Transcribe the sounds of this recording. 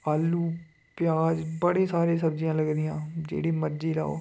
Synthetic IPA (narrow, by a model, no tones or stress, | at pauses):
aːlːuː | pjaːd͡ʒbəɽeːsaːɾeːsəbd͡ʒɪjãːləɡɾɪjãːd͡ʒḛːɽiːməɾd͡ʒiːla̰ːo̰ː